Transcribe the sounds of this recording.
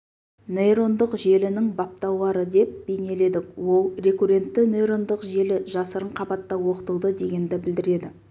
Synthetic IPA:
nejɾo̞nd̪əqʒe̞lɪnɪŋbɑp̚t̪ɑwlˠɑɾəd̪e̞p̚b̥e̞jne̞le̞d̪ɪkwo̞lˠre̞kure̞nt̪ːɪnejɾo̞nd̪əqʒe̞lɪʒɑsəɾəɴqʰɑbɑt̪ːɑwo̞qə̥t̪əlˠd̪əd̪e̞ɡʲe̞nd̪ɪbɪld̪ɪɾe̞d̪ɪ

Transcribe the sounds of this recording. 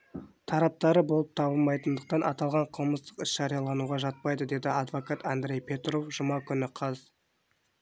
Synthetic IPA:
t̪ʰɑɾɑp̚t̪ɑɾəbo̞lˠəp̚t̪ʰɑbəlˠmɑjt̪ənd̪əq̚t̪ɑnʔɑt̪ɑlˠʁɑɴqʰəlˠməst̪ə̥qɪsʒ̥ɑɾijɑlˠɑnuʁɑʒɑt̪̚pɑjd̪əd̪e̞d̪ɪɑd̪vo̞kat̪and̪ɾʲe̞jpʲe̞t̪ɾo̞fʒʊmɑkʲʰʏnɪqʰɑz

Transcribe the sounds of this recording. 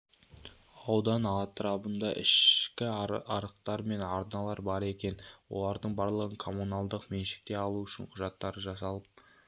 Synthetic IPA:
ɑwd̪ɑnɑt̪ɾɑbənd̪ɑʔɪ̰ʃkʲɪɑɾəqt̪ɑɾme̞nɑɾnɑlˠɑɾbɑɾe̞kʲe̞nwo̞̰lˠɑɾd̪əɴbɑɾlˠəʁəɴkʰo̞munɑlˠd̪əqme̞nʃɪ̥k̚t̪e̞ɑlˠuʏʃɪɴqʰʊʒɑt̪ːɑɾəʒɑsɑlˠəp̚

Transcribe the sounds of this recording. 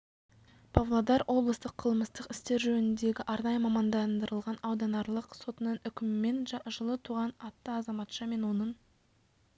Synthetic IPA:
pʰovlˠod̪ɑɾwʔo̞blˠəst̪əqʰəlˠməst̪əqɪ̥st̪e̞ɾʒɵnɪnd̪e̞ɡʲɪʔɑɾnɑjəmɑmɑnd̪ɑnd̪əɾəlˠʁɑnɑwd̪ɑnɑɾlˠəqso̞t̪ənənʏkʲɪmɪme̞nʒəlˠət̪ʰuʁɑnɑt̪ːəɑzɑmɑt̪ʃɑme̞nwo̞nəɴ

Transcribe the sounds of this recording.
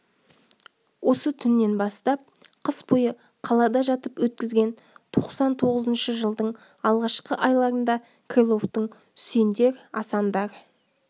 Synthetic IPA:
wo̞sət̪ʰʏnːe̞nbɑst̪ɑp̚qʰəsbojə | qʰɑlˠɑd̪ɑʒɑt̪əpwɵt̪̚kʲɪzɡʲe̞n | t̪ʰo̞qsɑnt̪ʰo̞ʁəzənʃəʒəlˠd̪əɴ | ɑlˠʁɑʃqəʔɑjlˠɑɾənd̪ɑ | kʰelˠo̞ft̪əɴ | send̪e̞ɾɑsɑmd̪ɑɾ

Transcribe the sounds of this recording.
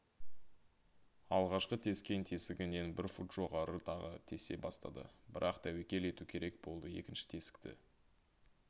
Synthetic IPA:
ɑlˠʁɑʃqət̪ʰe̞skʲe̞nt̪ʰe̞sɪɡʲɪne̞nbɪɾfut̪ʒ̥o̞ʁɑɾət̪ʰɑʁət̪ʰe̞se̞̰bɑst̪ɑ̰d̪ə̰bɪɾʔɑqt̪ʰæwekʲe̞le̞t̪ukʲʰe̞ɾe̞k̚bo̞lˠd̪əe̞̰kʲɪnʃɪ̥t̪ʰe̞sɪ̥k̚t̪ɪ̰

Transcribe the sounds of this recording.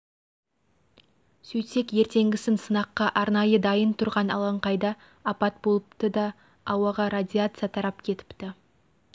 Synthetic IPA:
sɵjse̞kje̞ɾt̪e̞ŋɡʲɪsɪnsənɑqːɑʔɑɾnɑjəd̪ɑjənt̪ʰʊɾʁɑnɑ̰lˠɑɴqɑjd̪ɑː | pɑt̪̚bo̞lˠəpt̪əd̪ɑː | wɑʁɑɾad̪ʲiat̪sɨjat̪ʰɑɾɑpkʲʰe̞t̪ɪ̥pt̪ɪ

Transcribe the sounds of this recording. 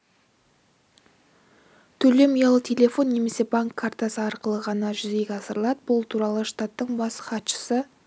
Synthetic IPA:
t̪ʰɵle̞mijɑlˠət̪ʲʰe̞lʲe̞fo̞nːe̞me̞se̞baŋkʰːaɾt̪asəɑɾqəlˠəʁɑnɑʒʏze̞jɡʲɑsəɾəlˠɑd̪əbʊlˠt̪ʰuɾɑlˠəʃt̪at̪ːəɴbɑsχɑt̪ʃə̥sə

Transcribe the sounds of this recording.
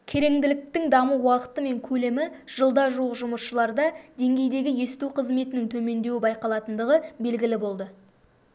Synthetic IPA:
kʲʰe̞ɾe̞ŋd̪ɪlɪk̚t̪ɪŋd̪ɑməwɑqə̥t̪əme̞ŋkʲʰɵle̞mɪʒ̥əlˠd̪ɑʒuwəqʒʊməʃəlˠɑɾd̪ɑd̪e̞ŋɡʲe̞jd̪e̞ɡʲɪje̞st̪uqʰəzme̞t̪ɪnɪŋt̪ʰɵme̞nd̪e̞wɪbɑjqɑlˠɑt̪ənd̪əʁəbe̞lɡʲɪlɪbo̞lˠd̪ə

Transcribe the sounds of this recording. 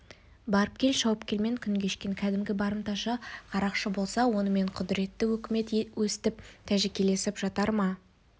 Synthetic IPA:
bɑɾəp̚kʲʰe̞lʃɑwəpkʲe̞lme̞ŋkʲʰʏŋkʲe̞ʃkʲe̞ŋkʲʰæd̪ɪmɡʲɪbɑɾəmt̪ɑʃɑqʰɑɾɑqʃəbo̞lˠsɑwo̞nəme̞ɴqʰʊd̪ɪɾe̞t̪ːɪwɵkʲɪme̞t̪wɵsɪ̥t̪ɪp̚t̪ʰæʒekʲe̞le̞sɪpʒ̥ɑt̪ɑɾmɑ

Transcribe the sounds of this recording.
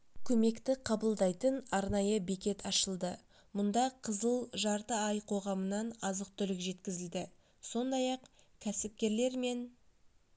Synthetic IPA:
kʲʰɵme̞kt̪ɪqʰɑbəlˠd̪ɑjt̪ənɑɾnɑjəbekʲe̞t̪ʰɑʃəlˠd̪ə | mʊnd̪ɑqʰəzəlˠʒɑɾt̪əɑjqʰo̞ʁɑmənɑnɑzəqt̪ʰʏlɪkʒe̞t̪kʲɪzɪld̪ɪ | so̞nd̪ɑjɑqkʲʰæsɪp̚kʲe̞ɾle̞ɾme̞n

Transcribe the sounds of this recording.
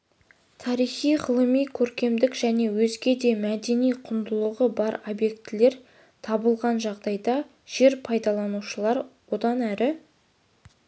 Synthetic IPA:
t̪ʰɑɾijχijʁəlˠəmijkʲʰɵɾkʲe̞md̪ɪkʒ̥æne̞wɵzɡʲe̞d̪e̞mæd̪e̞nijqʰʊnd̪əlˠəʁəbɑɾobje̞kt̪ɪle̞ɾ | t̪ʰɑbəlˠʁɑnʒɑʁd̪ɑjd̪ɑ | ʒ̥e̞ɾpʰɑjd̪ɑlˠɑnuʃəlˠɑɾwo̞d̪ɑnæɾɪ

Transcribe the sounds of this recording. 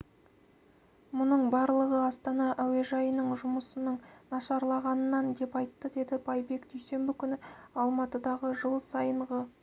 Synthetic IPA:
mʊnəɴbɑɾlˠəʁəɑst̪ɑnɑʔæwe̞ʒɑjənəɴʒʊməsənəɴnɑʃɑɾlˠɑʁɑnənːɑnd̪e̞pɑjt̪ːəd̪e̞d̪ɪbɑjbe̞kd̪ɵjse̞mbɪkʲʰʏnɪɑlˠmɑt̪əd̪ɑʁəʒəlˠsɑjəɴʁə

